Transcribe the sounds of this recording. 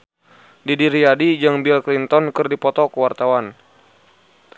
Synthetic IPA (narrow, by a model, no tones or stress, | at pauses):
didiɾiadid͡ʒaŋbilklint̪ɔnkɨrdipɔt̪ɔkəwart̪awan